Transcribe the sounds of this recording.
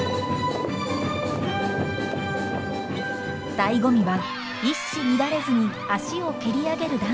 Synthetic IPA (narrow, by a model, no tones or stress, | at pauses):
d̪̥aiɡo̞mʲiβa | iɕimʲid̪aɾe̞zɨɲ̟i | aɕio̞kɯɾʲiaɡe̞ɾɯ̟d̪ã